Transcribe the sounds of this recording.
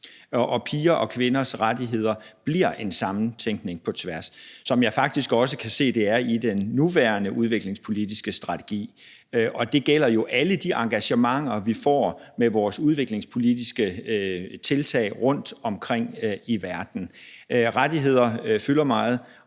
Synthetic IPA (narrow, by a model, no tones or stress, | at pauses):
ʔɒ̽pʰiːɐʔɒ̽kʰʋe̝nɐsʁadiɦe̝ð̞̰ˠɐb̥liɐ̰ʔe̝nsɑ̈mn̩t͡sʰeŋɡ̥ne̝ŋpʰɒ̽t͡sʰʋæɐsːɒ̽mjɑ̈ɪfɑ̈ɡ̥̚d̥isɡ̥ɒ̽səkʰæse̝̰ːd̥e̝æɐid̥enːuʋæɐnəʔuð̞ˠʋe̝ɡ̥le̝ŋspʰo̝lid̥isɡ̥əsd̥ʁɑ̈t͡sʰe̝̥ɡ̥ḭː | ʔɒ̽d̥e̝ɡ̥el̰ɐjo̝ʔæləd̥iʔɑ̈ŋɡ̥æɕəmɑ̈ŋ̰ɐʋifɒ̰ːmeʋɒːsuð̞ˠʋe̝ɡ̥le̝ŋspʰo̝lidisɡ̥ə | t͡sʰe̝lt͡sʰɛ̰ːɪʁɔ̽n̰d̥ɒ̽mkʰʁeŋ̰iʋæɐd̥n̩ʁadiɦe̝ð̞̰ˠɐfylɐmɑ̈ːð̞̩ˠ